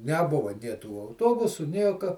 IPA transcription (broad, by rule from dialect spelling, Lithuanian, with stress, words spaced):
nʲɛˈbʊʋɐ nʲeː tuː ɐʊˈtoːbʊsʊ ˈnʲiɛkɐ